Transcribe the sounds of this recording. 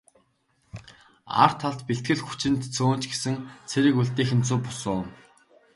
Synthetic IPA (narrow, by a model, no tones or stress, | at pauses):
a̰r̥t̪ʰːaɮt̪piɬt̪ɡɘ̆ɮxu̥t͡ɕɪ̆nt̪t͡sʰoːn̥t͡ɕɡesɘ̆ŋt͡sʰeɾɘ̆kuɮt̪iːxɘ̆nt͡sʰuːpʊ̥sʊːn